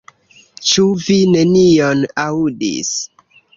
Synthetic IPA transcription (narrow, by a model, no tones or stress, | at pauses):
t͡ʃuvine̞nionaudḭs